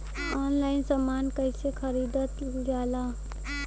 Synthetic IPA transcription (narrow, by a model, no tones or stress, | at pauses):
ɔnlainsəmankəɦsekʰəɾid̪ət̪ | ɡala